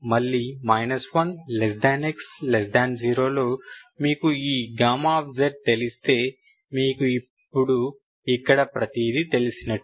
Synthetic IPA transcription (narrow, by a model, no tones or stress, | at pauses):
mɐlːiːmɐjnɐsʋɐnlesɖaːnekslesɖaːnd͡ʒiːɾo̞ːlo̞ːmiːkuiːɡɾaːmaːbd͡ʒeʈ̚t̪e̞list̪e̞ː | miːkuipːuɽu | ikːɐɽɐpɾɐt̪id̪it̪e̞lisinɐʈːu̥